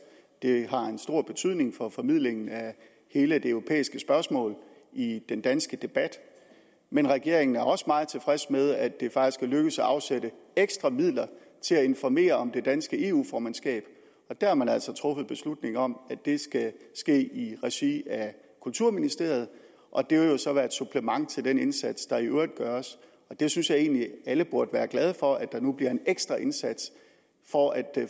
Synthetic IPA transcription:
d̥e̝ɦɑ̈e̝nsd̥o̝ɐ̰b̥e̝t͡sʰyð̞̰ˠne̝ŋfɒ̽fɒ̽mið̞̰ˠleŋn̩æ | he̝ːləd̥e̝øʊʁo̝pʰḛːisɡ̥əsb̥ɶɐsmɔ̰̽ːl | id̥end̥ænsɡ̥əd̥e̝b̥æd̥ | menʁɛɡ̥e̝ɐ̰e̝ŋn̩æɐɒ̽səmɑ̈ːð̩ˠt͡sʰe̝fʁɛsmeð̞ˠæd̥e̝fɑ̈ɡ̥d̥isɡ̥ʰæløɡ̥əsɒɑ̈ʊsed̥əeɡ̥sd̥ʁɑ̈mið̰ˠlɐ | t͡sʰe̝læe̝nfɒme̝̰ːɐɒ̽md̥e̝d̥ænsɡ̥əe̝ːṵːfɒːmænsɡ̥ɛ̰ːb̥ | ɒ̽d̥æɐhɑmænælsɒ̽t͡sʰʁɔ̽fð̩ˠb̥e̝slud̥ne̝ŋɒ̽mæd̥e̝sɡ̥æsɡ̥e̝̰ːiʁɛɕiæ | kʰult͡sʰuɐ̰minisd̥e̝ɐ̰jð̩ˠ | ʔɒ̽d̥e̝ʋeljo̝sɒ̽ʋæɐd̥sub̥ʰlemɑ̈ŋ̰t͡sʰe̝ld̥ene̝nsæd̥sd̥ɑ̈iʔøɐd̥̚ɡ̥ɶɐs | ɒ̽d̥e̝synsjɑ̈e̝̰ːnliæləb̥oɐd̥əʋæːɐɡ̥læð̞ˠfɒ̽ʔæd̥ɑ̈nub̥liɐe̝neɡ̥sd̥ʁɐʔe̝nsæd̥s | fɒʔæd̥

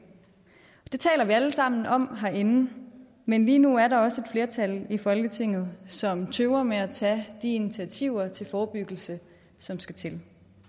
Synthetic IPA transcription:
d̥e̝t͡sʰɛ̰ːlɐʋiæləsɑ̈m̰n̩ɒ̽m̰ɦɑʔe̝nn̩ | menliːnuæɐɾɑ̈ɒ̽səe̝d̥fle̝ɐt͡sʰælifɒ̽lɡ̥ət͡sʰe̝ŋ̰ð̞̩ˠsɒ̽mt͡sʰøʊɐmeæt͡sʰɛd̥iinit͡sʰiæt͡sʰiʊ̰ɐt͡sʰe̝lfɒːb̥yɡ̥l̩sə | sɒ̽msɡ̥æt͡sʰe̝l

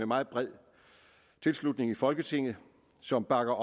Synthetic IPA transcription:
emɑ̈ːð̩ˠb̥ʁɛð̞̰ˠ | t͡sʰe̝lslud̥ne̝ŋifɒ̽lɡ̥ət͡sʰe̝ŋ̰ð̩ˠ | sɒ̽mb̥ɑ̈ɡ̥ɐʔ

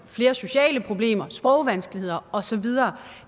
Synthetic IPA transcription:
fle̝ːɐso̝ɕɛ̰ːləpʰʁo̝b̥le̝̰ːmɐsb̥ʁɒʊʋænsɡ̥əlihe̝ð̞̰ˠɐɒ̽sɒ̽ʋið̞ˠɐː

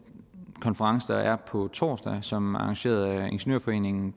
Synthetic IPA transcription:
kʰɒ̽nfəʁɑ̈ŋsəd̥ɑ̈ʔæɐpʰɒ̽t͡sʰɒ̰ːsd̥ɛsɒ̽mɑ̈ɑ̈ŋɕe̝̰ːɐð̩ˠe̝nɕenø̰ɐ̰fɒ̽e̝̰ːne̝ŋn̩

